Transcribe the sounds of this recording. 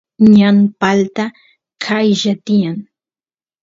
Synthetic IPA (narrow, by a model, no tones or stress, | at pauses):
ɲanpalt̪a | kʰajʒat̪ɪjaŋ